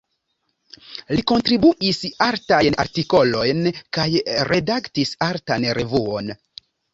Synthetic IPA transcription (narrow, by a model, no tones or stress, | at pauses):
liko̞ntɾibuʔisaɾtajna̰ɾtiko̞lo̞jnkajɾe̞daktisaɾtanɾe̞vuo̞n